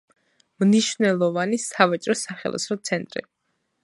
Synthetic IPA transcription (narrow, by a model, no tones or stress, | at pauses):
mniʃvnɛlˠɔvanisavat͡ʃʼɾɔsaχɛ̰lˠɔ̰sɾɔt̪sʰɛnt̪ʼɾḭ